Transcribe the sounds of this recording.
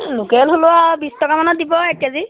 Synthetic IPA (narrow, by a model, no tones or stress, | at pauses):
lʊkɛlɦolʊwabistɔkamanɔt̚dibɔɛkazi